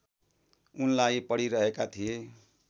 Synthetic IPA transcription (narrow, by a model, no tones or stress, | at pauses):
unlaipʌɽiɾʌɦekat̪ʰije